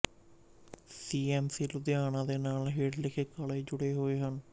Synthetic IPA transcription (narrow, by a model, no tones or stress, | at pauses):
siːɛːmsiːlʊd̪ɪjaːnãːd̪eːnaːlɦeːʈlɪkʰeːkaːleːd͡ʒʊɽeːɦoːeːɦən